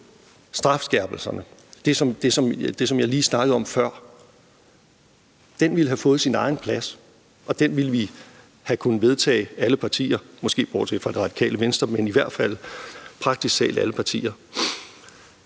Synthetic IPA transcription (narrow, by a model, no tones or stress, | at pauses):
sd̥ʁɑ̈fsɡ̥æɐ̰b̥l̩sɐnəd̥e̝sɒ̽md̥e̝sɒ̽md̥e̝sɒ̽mjɑ̈ɪliːsnɑ̈ɡ̥əð̩ˠɒ̽mfɶɐ̰ | d̥enʋiləɦæfɔ̽ːð̩ˠsinɑ̈ɪn̩pʰlæs | ʔɒ̽d̥enʋiləʋi | hækʰunð̩ˠʋe̝ð̞ˠt͡sʰɛ̰ːɪæləpʰɑ̈t͡sʰḭːɐmɒ̽sɡ̥e̝̰ːb̥ɒ̰̥ːt͡sʰe̝fʁɑ̈d̥iʁɑ̈d̥i̥kʰɛ̰ːləʋensd̥ʁɐmeniʋæɐ̰d̥fæl̰pʰʁɑ̈ɡ̥d̥issɛ̰ːlæləpʰɑ̈t͡sʰḭːɐ